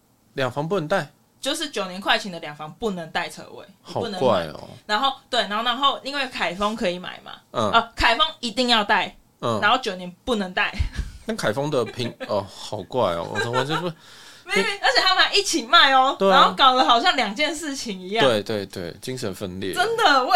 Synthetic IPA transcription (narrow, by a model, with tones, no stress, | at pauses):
ljɑ˨˩ŋfɑ˧˦ŋp̬u˥˩nə˧˦ŋt̪a˥˩ɪ | t͡ɕjo˥˧ʊʂɻ̩˥˨t͡ɕjo˨˩ʊnjɛ˧˦nkʰwa˥˧ɪt͡ɕʰi˨˥ŋd̪ə˨ljɑ˨˩ŋfɑ˧˦ŋpu˥˩nə˧˦ŋt̪a˥˩ɪt͡sʰə̰˧˦wḛ˥˩ɪhɑ˨u˥˩nə˧wa˥a˧˨ɪ˩ɔ̰˩na˧˦nxo˥˨ʊt̪we˥˩na˧˦o˥˩na˧˦nxo˥˧ʊi˥˧ŋwe˥˩ɪkʰa˨˩ɪfɔ˦ŋkʰɤ˧˦i˨˩ma̰˨˩ɪma̰˩ə˨ə˧˩kʰa˨˩ɪfɔ˦ŋi˧˥t̪i˥˧ŋjɑ˥˧ʊt̪a˥˩ɪ | ə˨˩a˨˦nxo˥˩ʊt͡ɕjo˨˩ʊnjɛ˧˦npu˥˩nə˧˦ŋt̪a˥˩ɪt̪a˥˩nkʰa˨˩ɪfɑ˦ŋd̪ə˨pʰi˧˥ŋə˧˩hɑ˨˩ʊkwa˥˩ɪɔ̰˨wɔ̰˨˩ɔ˧˥˦ | me˥˦˥ə˧˦t͡ɕʰjɛ˨˩t̪ʰa˥ma˨˦i˥˩t͡ɕʰi˨˩ma˨˩ɪɔ˨˦t̪we˥˨a˦nxo˥˩kɑ˨˩ʊlə˦ɦɑ˨˩ʊɕjɑ˥˩ŋljɑ˨˩ŋt͡ɕjɛ˥˧nʂɻ̩˥˨t͡ɕʰi˨˦ŋi˧˥jɑ˧we˥˩ɪt̪we˥˩ɪt̪wḛ˥˩ɪt͡ɕi˦ŋʂə˧˦nfə˧nljɛ̰˥˨t͡sə˦˥nd̪ə˨˥